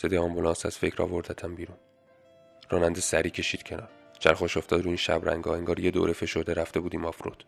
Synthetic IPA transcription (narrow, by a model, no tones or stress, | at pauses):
sed̪eɒmbulɑːnsæ̰z̥fe̞cʰɾɒ̰ːvo̞ɾd̪æt̪ʰæmbiːɾuːn | rɒːnænd̪esæɾiːcʰe̞ʃiːd̪̥cʰe̞nɒːɾd͡ʒæɾxoʃoft̪ɒd̪ɾuːiːnʃæ̰bɾæ̰ŋɡɒːeŋɡɒːɾje̞d̪o̰ːɾefe̞ʃo̞ɾd̪eɾæft̪e̞buːd̪iːmɒfɾo̰d̪̥